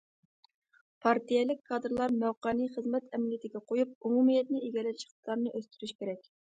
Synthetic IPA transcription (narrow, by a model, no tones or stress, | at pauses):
pʰɑɾt̪ijɛlɪk̚ʲkʰːɑd̪ɾlˠɑɾmæwqɑːnɨχəzmɛt̪ʰɛmlijɪt̪ʰɪɡʲɛqʰojup̚umumijɛt̪̚nɪeɡʲɛlɛt͡ʃʰi̥qə̥slˠɑɾnɨʔøst̪yɾyʃkʲeɾɛkʲ